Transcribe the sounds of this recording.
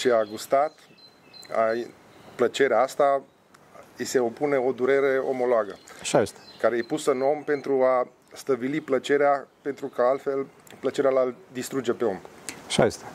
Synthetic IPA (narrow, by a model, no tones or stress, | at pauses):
t͡ʃeaɡust̪at̪ | a̰ | plət͡ʃe̞ɾeaast̪a | ise̞o̞pune̞o̞d̪uɾe̞ɾe̞o̰mo̞loaɡəaʃajest̪e̥kaɾeejpusɨno̞mpe̞nt̪ɾua | st̪əbiliplət͡ʃe̞ɾeape̞nt̪ɾukəalt̪fe̞l | plət͡ʃe̞ɾealald̪ist̪ɾud͡ʒe̞pe̞o̞maʃa̰jest̪e